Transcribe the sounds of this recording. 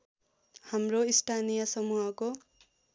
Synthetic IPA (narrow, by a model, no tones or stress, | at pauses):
hamroisʈʰanijʌsʌmuɦʌko